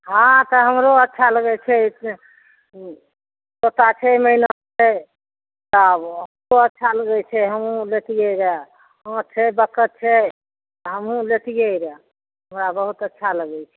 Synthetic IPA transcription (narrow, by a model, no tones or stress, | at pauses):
ɦãt̪əɦəmɾoətːʃʰaləɡɛt͡ʃʰɛ | sot̪at͡ʃʰɛməinat͡ʃʰɛ | t̪ɔɦəmɾoətːʃʰaləɡɛt͡ʃʰɛɦəmũlet̪ijeɾə | ãtt͡ʃʰɛbəkət̪̚t͡ʃʰɛ | ɦəmũlet̪ijeiɾɛ | ɦɦəmɾabəɦut̪ətːʃʰaləɡɛt͡ʃʰɛ̥